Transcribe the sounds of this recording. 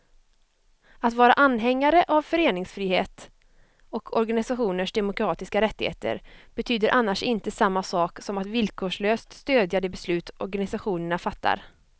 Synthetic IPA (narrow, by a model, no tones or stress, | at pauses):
at̪vɑːɾaʔanːɦɛŋːaɾəʔavfœɾeːnɪŋsfɾiːhḛːt̪ | ɔkʰɔɾɡanɪsaɧuːnəʂd̪ɛmʊkɾɑːt̪ɪskaɾɛt̪ːɪhḛːt̪ʰə̰ɾb̥ɛt̪ʰyːd̪əɾʔanːaʂɪnt̪əsamːasɑːksɔmat̪vɪlkʰoːʂɭøːst̪st̪øːd̪jad̪ɛbɛslʉ̟ːt̪ɔɾɡanɪsaɧuːnəɳafat̪ʰːa̰ɾ